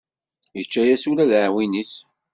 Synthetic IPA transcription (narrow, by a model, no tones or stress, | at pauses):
jət͡ʃːæjæsuɾæðəʕwiniθ